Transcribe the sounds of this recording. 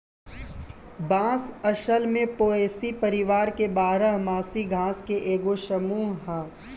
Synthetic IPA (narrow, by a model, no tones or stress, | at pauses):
bãːsɐʃəlmẽpoːeːsipɐɾɪʋaːɾkebaːɾəɦmaːsiɡʱãːskeʔeːɡoʃɐmuːɦɦɛː